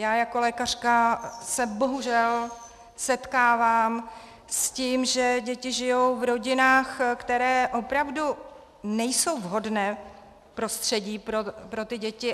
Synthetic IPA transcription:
jaːjako̞lɛːkar̝̥kasɛbo̞ɦuʒɛl | sɛt̪kaːvaːm | sciːmʒɛɟɛcɪʒɪjo̞wvɾo̞ɟɪnaːxkt̪ɛɾɛːʔo̞pɾavdu | nɛjso̞wvɦo̞dnɛː | pɾo̞st̪r̝̥ɛɟiːpɾopɾo̞t̪ɪɟɛcɪ

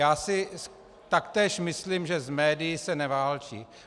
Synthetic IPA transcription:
jaːsɪ | t̪akt̪ɛːʃmɪslimʒɛzmɛːdɪjɪsɛnɛvaːlt͡ʃḭː

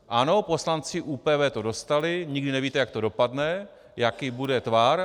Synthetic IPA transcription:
ʔano̞po̞slant͡sɪʔuːpɛːvɛːt̪o̞do̞st̪alɪɲɪɡdɪnɛviːt̪ɛjak̚t̪o̞do̞padnɛ | jakibudɛt̪vaɾ

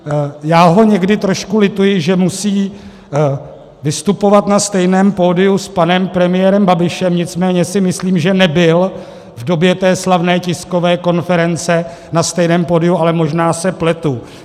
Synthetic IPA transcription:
jaːɦo̞ɲɛɡdɪt̪ɾo̞ʃkulɪt̪ujɪʒɛmusiː | vɪst̪upo̞vat̪nast̪ɛjnɛːmpo̞ːdɪuspanɛmpɾɛmɪjɛːɾɛmbabɪʃɛmɲɪt͡smɛːɲɛsɪmɪsliːmʒɛnɛbɪl | vdo̞bjɛt̪ɛːslavnɛːcɪsko̞vɛːko̞nfɛɾɛnt͡sɛ | nast̪ɛjnɛːmpo̞ːdɪjualɛmo̞ʒnaːsɛplɛt̪u

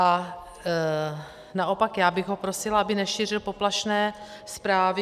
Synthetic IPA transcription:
a | naʔo̞pakjaːbɪɣɦo̞pɾosɪlabɪnɛʃiːr̝ɪlpo̞plaʃnɛː | spɾaːvɪ

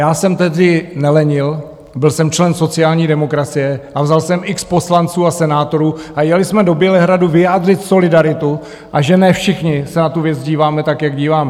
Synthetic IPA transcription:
jaːsɛmt̪ɛɦdɪnɛlɛɲɪl | bɪlsɛmt͡ʃlɛnso̞t͡sɪjaːlɲiːdɛmo̞kɾat͡sɪjɛʔavzalsɛmɪkspo̞slant͡suːasɛnaːt̪o̞ɾuːʔajɛlɪsmɛdo̞bjɛlɛɦɾaduvɪjaːd̪rɪt̪so̞lɪdaɾɪt̪u | ʔaʒɛnɛfʃɪxɲɪsɛnat̪uvjɛt͡sɟiːvaːmɛt̪akjaɡɟiːvaːmɛ

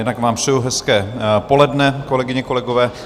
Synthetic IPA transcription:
jɛdnakmaːmr̥ɛjuɦɛskɛːpo̞lɛdnɛkolɛɡɪɲɛko̞lɛɡovɛː

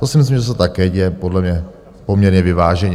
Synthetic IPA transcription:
t̪osɪmɪs̬limʒɛs̬ot̪akɛːɟɛjɛpodlɛmɲɛ | po̞mɲɛɾɲɛvɪvaːʒɛɲɛ

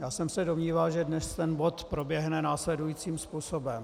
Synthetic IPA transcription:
jaːsɛmsɛdomɲiːvalʒɛdnɛst̪ɛnbo̞t̪pɾo̞bjɛɦnɛnaːslɛdujiːt͡siːmspuːsobɛm

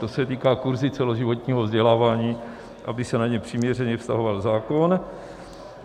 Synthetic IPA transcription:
t̪o̞sɛt̪iːkaːkuɾzɪt͡sɛlo̞ʒɪvo̞t̪ɲiːɦovzɟɛlaːvaːɲiː | ʔabɪsɛnaɲɛpr̥iːmɲɛr̝ɛɲɛfst̪a̰ɦo̞valzaːko̞n

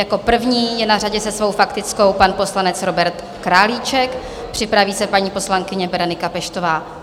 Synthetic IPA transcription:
jako̞pr̩vɲiːjɛnaraɟɛsɛsvo̞wfakt̪ɪt͡sko̞wpanpo̞slanɛt͡sɾo̞bɛɾt̪ | kɾaːliːt͡ʃɛk | pr̝̥ɪpɾaviːsɛpaɲiːpo̞slaŋkɪɲɛvɛɾonɪkapɛʃt̪o̞vaː

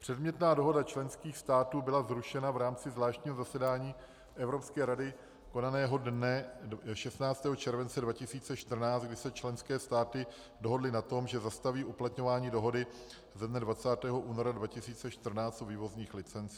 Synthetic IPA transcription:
pr̥ɛdmɲɛt̪naːdo̞ɦo̞dat͡ʃlɛnskiːxst̪aːt̪uːbɪlazɾuʃɛnavɾaːmt͡sɪzvlaːʃt̪ɲiːɦo̞zasɛdaːɲiː | ʔɛvɾopskɛːɾadɪ | ko̞nanɛːɦo̞dnɛʃɛst̪naːt͡st̪ɛːɦot͡ʃɛɾvɛnt͡sɛdvacɪsiːt͡sɛʃt̪r̩naːt͡st̪ɡdɪsɛt͡ʃlɛnskɛːst̪aːt̪ɪ | do̞ɦo̞dlɪnat̪o̞mʒɛzast̪aviːʔuplat̪ɲo̞vaːɲiːdo̞ɦo̞dɪ | zɛdnɛdvat͡saːt̪ɛːɦo̞ʔuːno̞ɾadvacɪsiːt͡sɛʃt̪r̩naːt͡st̪uviːvo̞zɲiːxlɪt͡sɛnt͡si̥ː

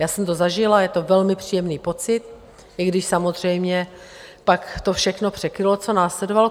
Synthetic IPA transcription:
jaːsɛmt̪ozaʒɪlajɛt̪ovɛlmɪpr̝̥iːjɛmniːpo̞t͡sɪt̪̚ | ɪɡdɪʃsamozr̝ɛjmɲɛ | pakt̪o̞fʃɛxno̞pr̝̥ɛkɾɪlo̞t͡so̞naːslɛdoval

